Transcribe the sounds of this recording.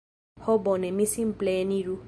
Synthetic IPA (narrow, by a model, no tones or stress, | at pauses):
hɔbɔnɛmĩsĩnplenĩɾu